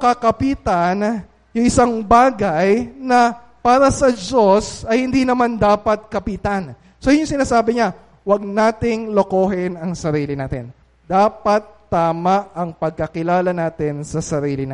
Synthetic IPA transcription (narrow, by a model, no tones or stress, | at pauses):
kɐkɐpit̪ɐn | jʊŋʔɪsaŋbaːɡɐjnɐ | paːɾɐsɐd͡ʒo̞sɐjhɪnd̪iːnɐmand̪aːpɐt̪̚kɐpiːt̪an | soːjʊŋsɪnaːsaːbɪɲa | wɐɡ̚naːt̪ɪŋlokoːɦɪnɐŋsɐɾiːlɪnaːt̪ɪ̰n | d̪aːpɐt̪ːaːmɐʔɐŋpɐɡ̚kɐkɪlaːlɐnaːt̪ɪnsɐsɐɾiːlɪna